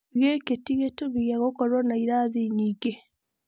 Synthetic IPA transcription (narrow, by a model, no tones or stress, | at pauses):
ɣeketiɣetoβijaɣokɔɾwɔnaiɾaðiɲiːɡe